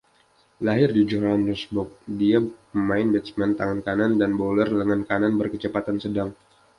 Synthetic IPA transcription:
laɦɪrdid͡ʒɔrhandəsbɔk̚diapəmaɪnbɛt̪smant̪aŋankanandanbolərdəŋankananbərkət͡ʃəpat̪ansədaŋ

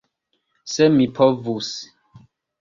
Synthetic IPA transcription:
sɛmipʰɔvus

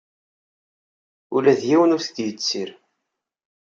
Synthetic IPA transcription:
ulæðjiwənʊɾθət̪jət͡sːiɾ

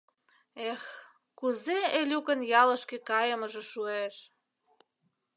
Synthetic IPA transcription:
ex | kuzeelʲukənjɑlə̆ʃkĕkɑjəmə̆ʒĕʃueʃ

